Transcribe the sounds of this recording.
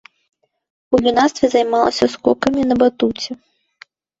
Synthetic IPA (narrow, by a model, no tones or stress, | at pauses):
ulʲinast̪vʲizɐjmɑlˠɐ̰sʲɐskɔkɐmʲinɐbat̪ut͡sʲi